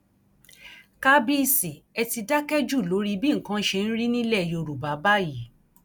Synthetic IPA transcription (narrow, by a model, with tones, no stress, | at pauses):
ka˦bi˦˧˨si˨ɛ˧ti˧da˦kɛ˦d͡ʒu˦˨lo˨˦ɾi˦bĩ˦ŋ̩˨kã˦ʃe˧ñ̩˦ɾi˦nĩ˦lɛ˦˨ji˧˨o˧ɾu˨ba˨˦ba˦˨ji˨˦